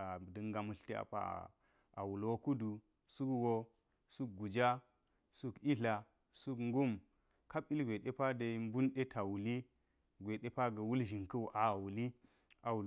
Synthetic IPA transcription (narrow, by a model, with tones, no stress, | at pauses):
a˨də˦ŋɡa˨mu˨ɬte˦a̰˨pa̰˦˨ | a̰˨wu˨lwo˦ku˦du˨ | su˦kwo˦ | su˦k̚ɡu˨d͡ʒa˦ | su˦ki˦ɬa˨ | su˦kŋɡu˦m | ka˦bi˦lɡʷe˨ɗe˦pa˦da˨˦m˦bu˦nɗe˦tʰa˨wu˨li˦ | ɡʷe˨ɗe˦pa˦ɡə˨wu˦lʒi˨ŋkə˦wʔa˨wu˨li˦ | a˨wu˨